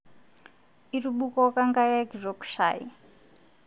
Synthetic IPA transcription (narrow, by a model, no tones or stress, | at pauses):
iruɓukɔkaŋɡaɺaɡʱiʐaku̥ʃa̰ːji